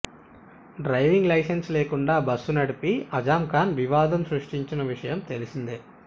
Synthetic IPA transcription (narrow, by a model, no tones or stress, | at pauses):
ɖɾɐjʋiŋɡlɐjsensleːkuɳɖaːbɐsːunɐɽipiɐd͡ʒaːmkaːnʋiʋaːd̪ɐmsɾuʂʈiɲt͡ʃinɐʋiʂɐjɐmt̪e̞lisind̪e